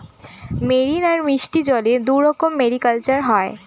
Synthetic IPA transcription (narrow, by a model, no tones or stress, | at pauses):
meɾinaɾmiʃʈid͡ʑɔled̪uɾɾɔkomːeɽikalt͡ɕaɾɦɔe